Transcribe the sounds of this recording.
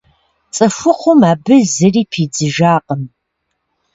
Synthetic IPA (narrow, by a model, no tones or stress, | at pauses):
t͡sʼɐfʷʊqʷʊmaːbɨzɨriːpʰiːd͡zɨʒaːqʼəm